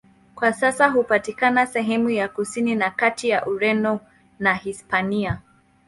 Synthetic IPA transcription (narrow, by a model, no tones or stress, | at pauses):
kwasasaɦupatikanasɛɦɛmujakusininakatijaʔuɾɛndɔ | nahispania